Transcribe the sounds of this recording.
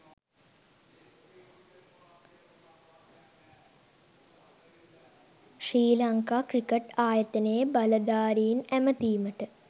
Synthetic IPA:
ʂriːlɐŋkaːkrikeʈaːjɐt̪ɐnəjəbɐlɐd̪aːɾiːnæmət̪iːməʈə

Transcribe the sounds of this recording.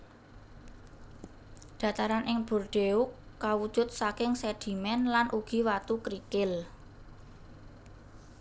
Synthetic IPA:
ɖ̪̥ä̤t̪aɾanʔɪŋb̥o̤rɖ̥eukːawud̥ʒ̥ʊ̤t̪̚sakɪŋsɛd̪̥i̤mɛnlanʔuɡ̥i̤wat̪ukɾikɪl

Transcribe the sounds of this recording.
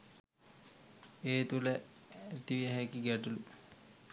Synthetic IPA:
eːt̪uləæt̪iʋiəɦɛkiɡæʈulu

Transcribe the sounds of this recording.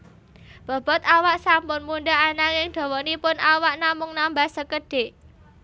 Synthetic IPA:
b̥ɔ̤b̥ɔ̤t̪awaʔsampʊnmunɖaʔanaŋɪŋd̪̥ɔ̤wɔnipʊnʔawaʔnamʊŋnambahsəkəɖ̥e̤ʔ

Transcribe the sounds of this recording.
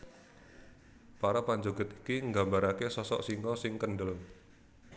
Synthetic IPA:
paɾapaɲd͡ʒoɡə̤t̪̚i̥kiŋɡambaɾakesɔsɔ̰ʔsiŋkɔsɪŋkənɖəl

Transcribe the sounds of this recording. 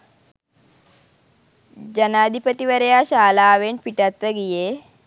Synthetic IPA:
d͡ʑənad̪ʱipət̪iʋəɾjaɕaːlaːʋenpiʈat̪ʋəɡije

